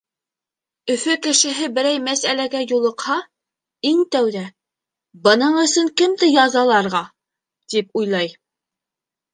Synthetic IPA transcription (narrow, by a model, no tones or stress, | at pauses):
ɵ̆fɵkɘ̆ʃɘ̆ɦɘbɘ̆ɾæjmæsælæɡæjulˠɤ̆qhɑ | iŋt̪æwðæ | bɤ̆nɤɴɵ̆sɵŋkɘmd̪ɘjɑzɑlˠɑɾʁɑ | t̪ip̚ujlˠɑj